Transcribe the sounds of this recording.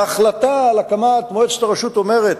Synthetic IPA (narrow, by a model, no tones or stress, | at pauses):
aχlat̪alakamat̪moet͡st̪aʁeʃut̪o̞me̞ʁet̪